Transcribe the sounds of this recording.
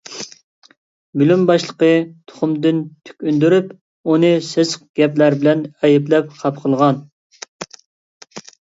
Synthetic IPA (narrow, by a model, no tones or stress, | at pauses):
bylymbɑʃlˠə̥qət̪ʰʊ̥χʊmd̪ɪnt̪ʰy̥kʲynd̪yɾyp | unɨsɪsq̚ɡ̥ʲɛplæɾbɪlɛnɛjiplɛp̚χʰɑp̚qʰəlˠʁɑn